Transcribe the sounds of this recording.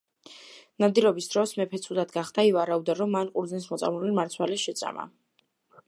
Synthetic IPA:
nad̪iɾɔbisd̪ɾɔsmɛpʰɛt̪sʰud̪ad̪ɡaχd̪̥aivaɾaud̪aɾɔmːanqʼuɾd̪znɛnsmɔt̪sʼa̰mlulimaɾt̪sʰwaliʃɛt̪sʼa̰ma̰

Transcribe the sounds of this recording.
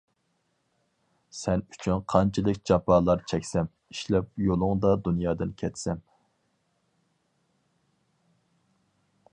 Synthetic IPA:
sɛny̥t͡ʃʰynqʰɑnt͡ʃʰɨlˠɨkʲd͡ʒɑpʰɑːlˠɑɾt͡ʃʰɛkʲsɛm | iʃlɛp̚jolˠʊŋd̪ɑd̪unjɑːd̪ɨnkʲʰɛt̪sɛm

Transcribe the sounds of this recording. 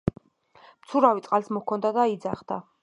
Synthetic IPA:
mt̪sʰuɾavit̪sʼqʼalsmɔkʰɔnd̪ad̪aid̪zaχd̪̥a

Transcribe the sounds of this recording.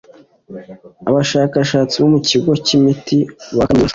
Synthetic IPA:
aβaʃaːkaʃaːt͡siβomuciɡo̞cimitiβama

